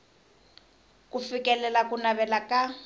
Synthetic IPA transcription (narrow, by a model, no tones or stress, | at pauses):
kufikɛlɛlakunaβɛlaka